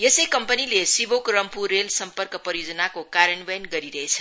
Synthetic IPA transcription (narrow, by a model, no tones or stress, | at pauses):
jesəjkʌmpənilesibokrʌmpurːelsʌmpərkʌpʌjod͡zənakokaɾəɳbʌjnɡʌɾiɾʌɦet͡sʰʌ